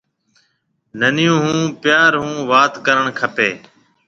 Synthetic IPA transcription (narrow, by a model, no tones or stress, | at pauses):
nənɪjũːɦũːpjaːɾɦũːʋaːt̪kəɾəɳkʰəpeː